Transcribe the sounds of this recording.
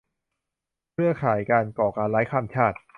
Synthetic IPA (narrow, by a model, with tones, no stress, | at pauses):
kʰɯ˥˩ɐkʰaː˩˦jkaː˧nkɔː˨˩kaː˧nla˦˥jkʰaː˧˥˩mt͡ɕʰaː˥˩t̪̚